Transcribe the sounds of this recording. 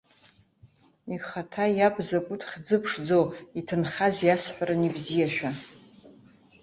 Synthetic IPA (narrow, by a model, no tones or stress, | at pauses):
iχatʰajabzakʷʼʊtʰχʲd͡zɨpʰʂd͡zowitʰɨnχazjasħʷaɾanibzijaʃᶣa